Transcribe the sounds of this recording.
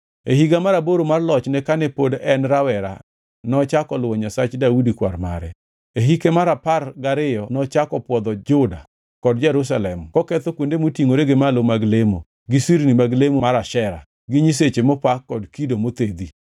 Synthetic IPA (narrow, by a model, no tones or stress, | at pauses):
eɦiɡamaɾaboɾomarlɔt͡ʃnɛkanɛpodɛnɾawɛɾa̰ | nɔt͡ʃakɔlwɔɲasat͡ʃdaudikwa̰ɾma̰ɾɛ | eɦikemaɾaparɡaɾɪjɔnɔt͡ʃakɔpwɔd̪ɔd͡ʒʊda | kɔdd͡ʒɛɾus̬alɛmkɔkɛt̪okwondemotiŋoɾeɡemalomaɡlemo | ɡɪsiɾnimaɡlemomaɾaʃɛɾa̰ | ɡɪɲis̬et͡ʃemopakːɔdkidomot̪ed̪i